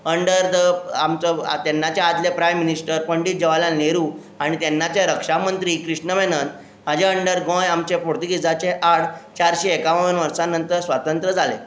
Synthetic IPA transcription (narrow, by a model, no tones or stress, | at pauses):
əɳɖəɾd̪əa̰mt͡sə̰t̪ɛnːat͡ɕead̪lepɾajmːinisʈəɾpəɳɖiːt̪̚d͡ʑeʋalaneɾuː | aɽ̃it̪ɛnːat͡ɕeɾəkʂamənt̪ɾiːkɾiʂɳəʋenənt̪ | mad͡ʑeəɳɖəɾɡɔ̃jamt͡ɕepoɾt̪iɡid͡zat͡ɕeʔaɽt͡ɕaɾɕeekaʋəʋənʋəɾsanːənt̪əɾsʋat̪ənt̪ɾəd͡zʱalḛ